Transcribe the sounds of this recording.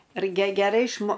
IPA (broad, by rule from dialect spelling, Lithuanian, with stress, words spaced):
rɐɪ ɡʲɛ ɡʲɛˈrɐɪ ɪʃˈmoː